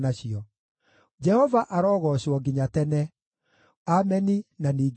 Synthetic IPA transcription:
naɕiɔ | d͡ʒɛhɔvaʔaɾɔːɣɔɕɔɡiɲatɛnɛ | amɛninaniːɡ

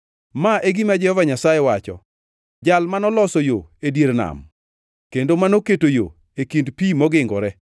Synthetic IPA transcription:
maʔeɡimad͡ʒɛhɔvaɲasajɛwat͡ʃɔ̰ | d͡ʒalmanɔlɔsɔjo̰edjeɾna̰m | kendomanoketojo̰ | ekindpimɔɡɪŋɡɔ̰ɾɛ

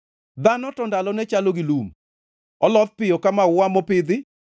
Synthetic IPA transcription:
d̪anɔtɔndalɔnɛt͡ʃaloɡɪlum | ɔlɔð̚pɪjɔkamawʊamɔpɪd̪ɪ

